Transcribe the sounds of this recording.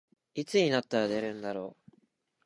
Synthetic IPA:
it͡sɨɲ̟inat̪ːaɾad̪e̞ɾɯ̟̃nd̪aɾo̞ː

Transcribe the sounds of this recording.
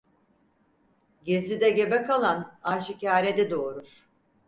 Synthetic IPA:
ɟezʲid̪ɛɟebɛkalˠanaːʃicaːɾed̪id̪o̞ːɾuɾ̥

